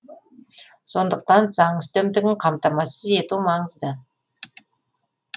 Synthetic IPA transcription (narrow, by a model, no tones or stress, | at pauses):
so̞nd̪əq̚t̪ɑnzɑɴʏst̪emd̪ɪɡʲɪɴqʰɑmt̪ɑmɑsəze̞t̪umɑɴəzd̪ə